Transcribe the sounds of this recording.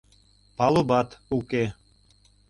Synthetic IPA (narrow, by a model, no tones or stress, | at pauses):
pɑlˠubɑt̪uke